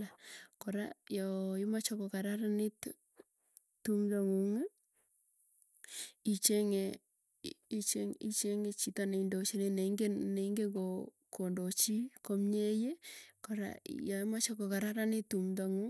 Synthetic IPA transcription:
akoɾa̰jɔɪmat͡ʃokokaɾaɾanɪt | tumdoŋuŋ | it͡ʃeŋe | it͡ʃeŋit͡ʃeŋet͡ʃitaneindot͡ʃineneiŋɡeneiŋɡeɡo | kondot͡ʃikomɲejekoɾa̰jɔimat͡ʃokokaɾaɾanɪt̪ːumdoŋu

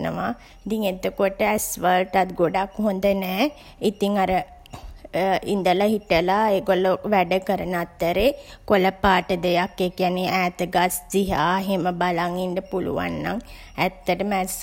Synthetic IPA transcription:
nə̰ʋa | it̪iŋet̪əkoʈəɛsʋəlʈat̪̚ɡoɖakɦond̪ənɛː | it̪iŋaɾə | ḭnd̪əlaɦiʈəlaeːɡoloʋæɖəkəɾənat̪ːəɾekoləpaːʈəd̪ejakːekianeʔæːt̪əɡasd͡ʒiɦaːɦeməbalaŋiɳɖəpulṵʋa̰nːaŋ | æt̪ːəʈəmæs

